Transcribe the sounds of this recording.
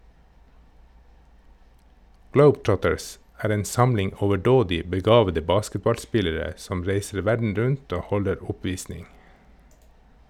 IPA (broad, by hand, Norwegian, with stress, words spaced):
ˈɡləʊbˌtɹɔtəɹs ˈæːɾ ˈeːn ˈsɑmlɪŋ ɔʋəˈɖoːdɪ bəˈɡɑːʋədə ˈbɑːskətbɑlˌspɪləɾə ˈsɔm ˈɾeɪsəɾ ˈʋæɖɳ̩ ˈɾʉnt ˈoː ˈhɔləɾ ˈʊˌpʋiːsnɪŋ